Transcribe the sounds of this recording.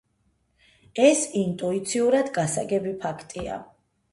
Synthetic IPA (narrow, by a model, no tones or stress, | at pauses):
ɛsint̪ʼuit̪sʰiuɾad̪ɡasa̰ɡɛbipʰakʰt̪ʼia̰